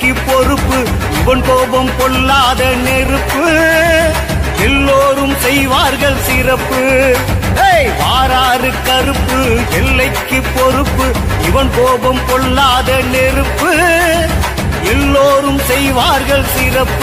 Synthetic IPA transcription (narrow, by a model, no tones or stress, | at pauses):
kːɯpːɔrɯpːɯ | ɪʋɐnpoːbɐmkɔɭlːaːðɐnɛrɯpːɯ | ɛlːoːɾɯmsɛjʋaːɾɣɐɭsɪrɐpːɯ | eʋaːɾaːrɯkːɐɾɯpːɯɛlːɐɪkːɯpːɔrɯpːɯ | ɪʋɐnpoːbɐmkɔɭlːaːðɐnɛɾɯpːɯ | ɛlːoːɾɯmsɛjʋaːɾɣɐɭsɪɾɐpː